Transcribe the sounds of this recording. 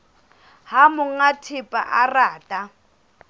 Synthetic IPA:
hamʊŋ̩atʰɪpʼa̰ʔaraːtʼa

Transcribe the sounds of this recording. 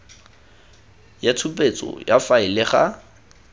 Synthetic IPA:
jatʰupʼet͡sʼɔ̰jafaɪlɪχa

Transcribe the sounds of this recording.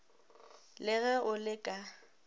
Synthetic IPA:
lɪɣɛʔʊlɪkʼa

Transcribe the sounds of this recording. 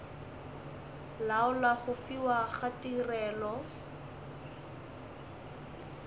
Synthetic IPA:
laʊlaχʊfiwaχatirɛːlɔ

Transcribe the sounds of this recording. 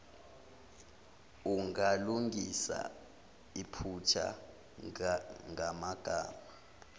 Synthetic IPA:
uŋaluŋisa̰ | ipʰut͡ʃʰa̰ | ŋʱamaɡ̥ʱaːma

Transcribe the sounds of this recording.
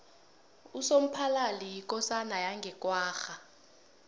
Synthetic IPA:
usom̩pʰalalijikʼɔsanajaŋɡʱɛkʼwaːxa

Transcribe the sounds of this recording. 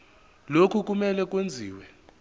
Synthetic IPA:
lokʰuk̬umɛlɛk̬ʼwend͡zʱiːwɛ

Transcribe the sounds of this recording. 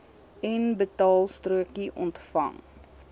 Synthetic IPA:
ɛnbətɑːlˠstruəkiʔɔntfɐ̰ŋ

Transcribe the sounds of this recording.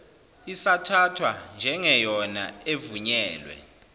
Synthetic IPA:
isatʰatʰwand͡ʒʱɛŋɛjɔna̰evuɲɛːlwɛ̰

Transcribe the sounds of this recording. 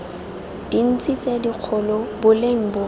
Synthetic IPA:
d̥in̩t͡sʼit͡sʼediq͡χʰʊlɔbʊleŋ̩bʊ

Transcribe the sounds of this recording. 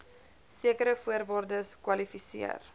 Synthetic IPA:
siəkəɾəfuərvoːrdəskwɐlifisḭər

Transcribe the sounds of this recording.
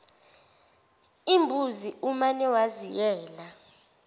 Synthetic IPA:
imbʱuziʔumanɛwazijɛːla

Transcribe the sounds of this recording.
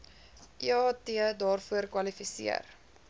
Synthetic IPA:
ʔiɑːtiədɑːrfuərkwɐlifisḭə̰r

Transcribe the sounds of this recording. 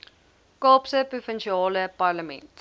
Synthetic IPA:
kɑːpsəprufənʃiɑːləpɐrləmɛ̰̃nt

